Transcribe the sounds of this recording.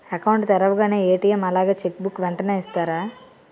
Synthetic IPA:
ɐkɐwɳʈt̪ɛɾɐʋɐɡaːne̞ːeːʈiːjemɐlaːɡaːt͡ʃekːbukːʋɛɳʈɐneːist̪aːɾaː

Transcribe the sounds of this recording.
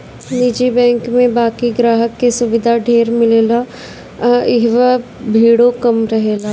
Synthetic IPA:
nid͡ʒibɛ̃ːŋkmẽbaːkiɡɾaːɦəkːesʊʋɪd̪ʱaɖʱeːɾmɪleːla | ɪɦʋabʱiːɽokɐmɾɐɦeːla

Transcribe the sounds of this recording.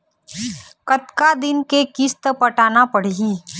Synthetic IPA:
kət̪kad̪ɪnkekɪst̪əpəʈaːnapəɽ̤iː

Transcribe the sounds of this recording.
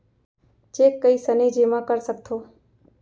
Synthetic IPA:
t͡ʃeːkːəiːsəniːd͡ʒemãkəɾsək̚t̪ʰoː

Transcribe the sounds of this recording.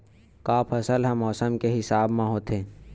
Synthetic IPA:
kaːpʰɐsəlɦɐmːɔːsəmkeɦɪsaːbmãɦoːt̪ẽː

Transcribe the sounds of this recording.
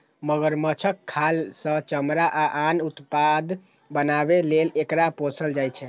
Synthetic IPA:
məɡəɾmət͡ʃʰəkʰːalsə̃t͡ʃəmɾaʔaʔanut̪pad̪ | bənabelelekɾaposəld͡ʒajt͡ʃʰɛ

